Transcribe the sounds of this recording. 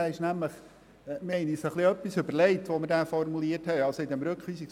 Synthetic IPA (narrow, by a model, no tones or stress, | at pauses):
ɛɪʃnæmləχ | mɛɪnisəχliœpːisɵbəɾlɛɪtʋoməɾdæːfɔrmuliəɾthɛɪɑlsoid̪ɛmɾɵkχʋiːsiks